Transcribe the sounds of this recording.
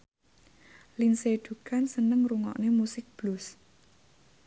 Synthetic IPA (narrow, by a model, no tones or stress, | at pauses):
linseɖ̪̥ṳkansənəŋruŋɔ̰ʔnemusɪk̚b̥lus